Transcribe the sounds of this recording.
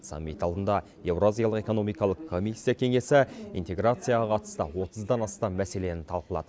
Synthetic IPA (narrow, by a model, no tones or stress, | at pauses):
sa̰mːit̪ɑlˠd̪ənd̪ɑ | je̞vroazijɑlˠəqe̞ko̞no̞mijkɑlˠəqʰːo̞misʲːijakʲʰe̞ŋe̞sɪḭnt̪e̞ɡɾat̪sɨjaʁɑqʰɑt̪ə̥st̪ə̰wo̞t̪ʰəzd̪ɑnɑst̪ɑmːæse̞le̞nɪnt̪ʰɑlˠqəlˠɑ̰d̪̥ə